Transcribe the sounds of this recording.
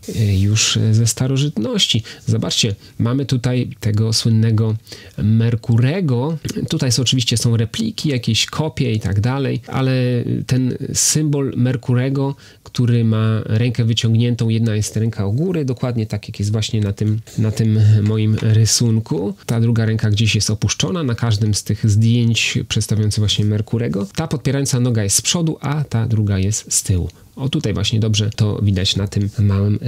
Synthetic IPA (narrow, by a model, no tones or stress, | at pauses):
juʂzɛst̪aɾɔʐɘt̪nɔɕt͡ɕizɔbat͡ʂt͡ɕɛ | mamɘt̪ut̪ajt̪ɛɡɔswɘnːɛɡɔmɛɾkuɾɛɡɔt̪ut̪ajsɔt͡ʂɘvʲiɕt͡ɕɛsɔ̃w̃ɾɛplʲikʲijakʲeɕkʰɔpʲjɛit̪a̰ɡd̪alɛjʔa̰lɛt̪ɛnsɘmbɔlmɛɾkuɾɛɡɔ | kt̪uɾɘmaɾɛŋkɛvɘt͡ɕɔŋɡɲɛnt̪ɔ̃w̃jɛd̪najɛst̪ɾɛŋkʰaɔɡuɾɘd̪ɔkwad̪ɲɛt̪akjakjɛst̪vwaɕɲɛnat̪ɘmnat̪ɘmːɔjimɾɘsuŋkʰut̪ad̪ɾuɡaɾɛŋkaɡd͡ʑeɕjɛst̪ɔpuʂt͡ʂɔnanakaʐd̪ɘmst̪ɘɣzd̪ʲjeɲt͡ɕpʂɛt̪st̪avʲjɔnt̪sɣvwaɕɲɛmɛɾkuɾɛɡɔt̪apɔt̪pʲɛɾajɔnt̪sanɔɡajɛst̪spʂɔd̪uʔat̪ad̪ɾuɡajɛst̪st̪ɘwṵ | ɔt̪ut̪ajvwa̰ɕɲɛd̪ɔbʐɛt̪ɔ̰vʲid̪at͡ɕnat̪ɘmːawɘm